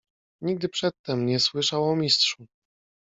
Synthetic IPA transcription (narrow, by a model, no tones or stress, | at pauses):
ɲiɡ̚d̪ɘpʂɛt̪ːɛmɲɛswɘʂawɔmʲistʂu